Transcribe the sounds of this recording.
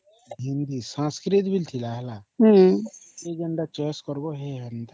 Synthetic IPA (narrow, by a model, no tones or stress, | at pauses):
ɦind̪isãːskɾit̪bʱilt̪ʰilaːɦlaɦ | eɡəɳɖat͡ʃeskɔɾboɦeɦənd̪a